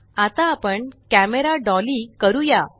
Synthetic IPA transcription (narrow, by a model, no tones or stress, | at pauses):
at̪aːpəɳkæmeɾaɖɔlikəɾuja